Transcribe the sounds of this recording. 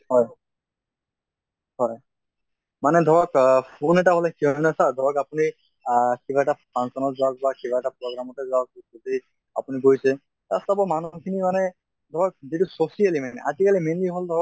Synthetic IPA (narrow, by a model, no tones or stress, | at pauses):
hɔj | hɔj | manɛd̪ʱɔbɔkpʰonɛʈaɦɔlɛkiɦɔjnasaɹd̪ʱɔbakapuni | kibaɛʈapʰansɔnɔzaɡ̚bakibaɛʈapɹɔɡɹamɔtazɔak̚ot̪i | a̰puniɡojsʰɛ | t̪ast̪abɔmanukʰinimanɛ | d̪ʱɔɹɔk̚ziʈusosialimanɛ̰ʔazikalimenliɦɔld̪ʱɔbak̚